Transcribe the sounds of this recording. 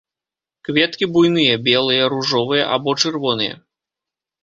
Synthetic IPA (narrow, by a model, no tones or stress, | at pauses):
kvʲɛt̪kʲibujnɨjɐbʲɛlˠɨjɐɾuʐɔvɨjɐ̰ʔa̰bɔt͡ʂɨrvɔnɨjɐ̰